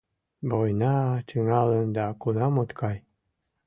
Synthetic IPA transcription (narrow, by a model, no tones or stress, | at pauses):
bojnɑt͡ʃɯŋɑlənd̪ɑkunɑmot̪kʰɑj